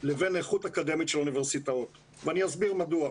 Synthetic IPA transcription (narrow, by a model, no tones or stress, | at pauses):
leve̞neχutakad̪e̞mitʃeluniveʁsitaot̪ | veaniazbiʁmadua